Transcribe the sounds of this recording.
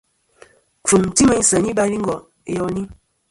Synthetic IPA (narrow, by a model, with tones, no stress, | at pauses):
fu˨ŋ̩˨ti˦mə˦n̩˦sə˨ni˦ba˦ɾi˦ŋ˦ɡɔ˨ | ḛ˨jɔ˦ni˦